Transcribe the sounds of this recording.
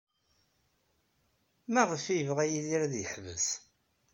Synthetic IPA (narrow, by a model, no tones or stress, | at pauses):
mæʁəfiəvʁæjiliɾæðjəħvə̰s